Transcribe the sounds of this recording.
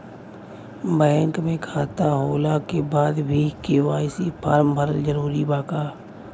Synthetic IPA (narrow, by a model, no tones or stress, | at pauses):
bɛːŋkmẽkʰaːt̪aɦoːlakebaːd̪bʱikeːʋaːɪsipʰaːɾmbʱəɾəld͡ʒəɾuːɾibaːkaː